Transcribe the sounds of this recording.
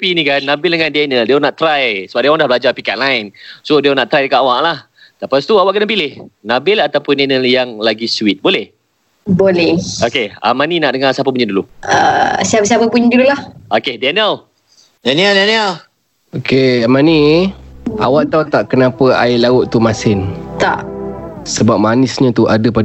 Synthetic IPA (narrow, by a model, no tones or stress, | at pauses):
pinĩkanːabɪldəŋandianəldianaʔt̪ɾajsəbaʔ̚diawaŋdahblad͡ʒapikaʔlaɪnsodianaʔt̪ɾajdəkaʔawaʔlah | t̪əpast̪uawaʔkənapilɪhnabɪlat̪apʊndɛnəljaŋlaɡisuwit̪̚bolɛh | bolɛhokea̰maninaʔdəŋasapəpuɲaduluə̰siapas̬apapuɲdululahʔokedanəl | daniadanial | okeamani | a̰waʔt̪awt̪aʔkənapəa̰ɪlaʊʔt̪umasɪnt̪a̰ʔsəbap̚manɪsɲãt̪uʔadəpa